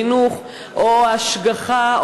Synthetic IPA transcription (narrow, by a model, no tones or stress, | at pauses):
inuχ | ʔohaʃɡaχa